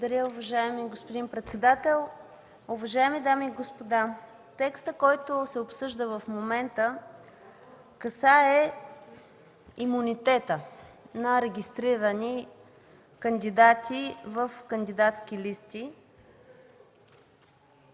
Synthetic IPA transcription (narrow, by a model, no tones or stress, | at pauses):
od̪ɐɾʲəʊvɐʒaɛmiɡospod̪inpɾɛt̪sɛd̪at̪ɛlˠ | ʊvɐʒaɛmid̪amiːɡospod̪a | t̪ɛkst̪əkɔjt̪osɛopsɤʒd̪əvəfmomɛnt̪ə | kəsaɛ | imunit̪ɛt̪ənɐɾɛɡʲist̪ɾiɾəni | kənd̪id̪at̪ʲivəfkənd̪id̪at̪sk̟ʲilist̪i